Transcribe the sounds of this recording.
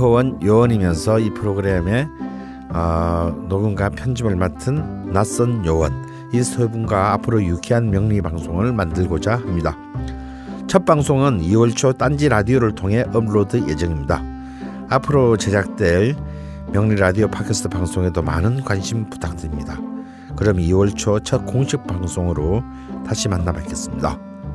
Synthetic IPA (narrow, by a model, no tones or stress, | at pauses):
owʌnjowʌnimjʌnsʰʌipʰɯɾoɡɯɾe̞me̞ | ʌnoɡunɡapʰjʌnd͡ʑimɯɭmatʰɯnːas͈ʌnjowʌn | isʰebunɡaːpʰɯɾojuɡʰiɦanmjʌŋɲibaŋsʰoŋɯɭmandɯɭɡod͡ʑahamɲida | t͡ɕʰʌt̚p͈aŋsʰoŋɯniwʌɭt͡ɕʰot͈and͡ʑiɾadioɾɯɭtʰoŋɦe̞ʔʌbɾodɯje̞d͡ʑʌŋimɲida̰ | apʰɯɾot͡ɕe̞d͡ʑak̚t͈we | mjʌŋɲiɾadiopʰakʰesʰɯ̥tʰɯpaŋsʰoŋe̞doma̰nɯnkwanɕʰimpu̥tʰak̚t͈ɯɾimɲida | kɯɾʌmiwʌɭt͡ɕʰot͡ɕʰʌt̚k͈oŋɕʰik̚p͈aŋsʰoŋɯɾo | taɕʰimanːabakʰes͈ɯmɲida̰